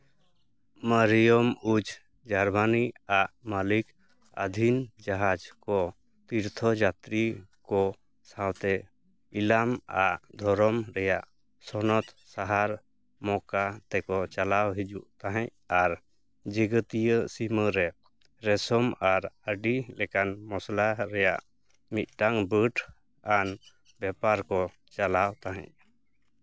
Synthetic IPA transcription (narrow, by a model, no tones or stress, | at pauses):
məɾijɔmud͡ʒʱ | d͡ʒaɾbaniaʔmalik | ə̰d̪ʱind͡ʒaɦad͡ʒkɔ | t̪iɾt̪ʰɔd͡ʒat̪ɾikɔ | sawt̪ɛ | ilama̰ʔd̪ʱɔɾɔmɾɛjaʔ | sɔnɔt̪ | saɦaɾ | mɔkat̪ɛkɔt͡ʃalawɦid͡ʒuʔt̪aɦɛ̃ɲ̚ | aɾ | d͡ʒiɡət̪ijəsiməɾɛ | ɾɛsɔmaɾəɖilɛkanmɔslaɾɛjaʔ | mit̪̚ˀʈaŋbəʈʰ | an | bɛpaɾkɔ | t͡ʃalawt̪aɦɛ̰̃ɲ̚